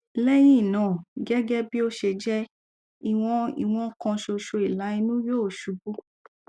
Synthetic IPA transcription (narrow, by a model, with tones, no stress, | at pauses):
lɛ˦j̃ĩ˦˨nãː˨˦˨ɡɛ˦ɡɛ˦bi˦o˦ʃe˧d͡ʒɛ˦ | i˦˨w̃ɔ̃˧ḭ˨w̃ɔ̃˧˦kã˧ʃo˧ʃo˧i˨la˨˦i˧nũ˦joː˦˨ʃu˨˧bu˦